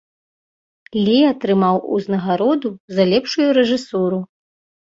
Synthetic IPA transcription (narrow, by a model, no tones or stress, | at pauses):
lʲiat̪ɾɨmawṵznɐɣaɾɔd̪uzalʲɛpʂujuɾɛʐɨsuɾu